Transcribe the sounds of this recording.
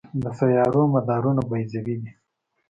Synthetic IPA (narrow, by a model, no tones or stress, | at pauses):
d̪əsajɑɾomad̪ɑɾunabajzawid̪i